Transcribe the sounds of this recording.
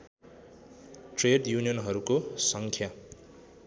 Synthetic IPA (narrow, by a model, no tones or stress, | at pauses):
ʈreɖjunijʌnɦʌɾukosʌŋkʰja